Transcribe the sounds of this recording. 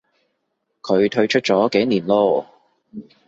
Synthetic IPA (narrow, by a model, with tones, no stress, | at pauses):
kʰɵ˨˧ɥt̪ʰɵ˧ɥt͡ʃʰɵ˥t̚t͡sɔː˨˥ke˨˥jniː˨˩nlɔː˧˥